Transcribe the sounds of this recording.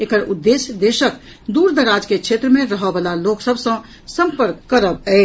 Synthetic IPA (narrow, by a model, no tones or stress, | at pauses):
ekəɾud̪ːesjəd̪eʃək | d̪uɾd̪əɾad͡ʒkekʃʰet̪ɾəmẽɾəɦəbalaloksəbʱsə̃ | sə̃mpəɾkːəɾəbɛː